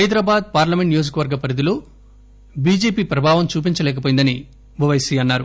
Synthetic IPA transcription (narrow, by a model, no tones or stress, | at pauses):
ɐjd̪ɾaːbaːd̪̚paːɾlɐmeɳʈnijoːd͡ʒukɐʋɐɾɡɐpɐɾid̪ilo̞ː | biːd͡ʒeːpiːpɾɐbʱaːʋɐmt͡ʃuːp̬iɲt͡ʃɐlɛːkɐp̬ojind̪ɐni | bɐʋɐjsiːɐnːaːɾu